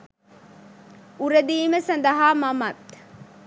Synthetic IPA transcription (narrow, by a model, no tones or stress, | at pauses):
uɾed̪iːmesɐnd̪ɐɦaːmɐmɐt̪